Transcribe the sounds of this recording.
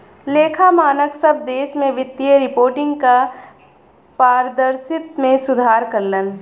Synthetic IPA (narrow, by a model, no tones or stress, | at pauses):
leːkʰamaːnəksɐb̚d̪eːʃmẽʋɪt̪ːiəɾɪpoːɾʈɪ̃ŋɡka | paːɾd̪əɾsɪt̪mẽsʊd̪ʱaːɾkɐɾlən